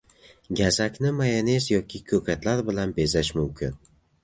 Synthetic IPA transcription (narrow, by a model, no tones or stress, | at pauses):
ɡʲazakʲnɪmajanezjɒkʲʰɪkʲʰɵkʰʲat̪laɾbɪlanbezaʃmʊmkʲʰɪn